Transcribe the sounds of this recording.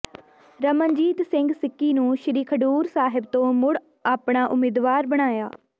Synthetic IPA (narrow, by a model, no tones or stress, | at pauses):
ɾəmənd͡ʒiːt̪sɪŋɡsɪkːiːnũːʃɪɾiːkʰəɖuːɾsaːɦɪbt̪õːmʊɽ | aːpɳaːʔʊmeːd̪ʋaːɾbəɽ̃aːjaː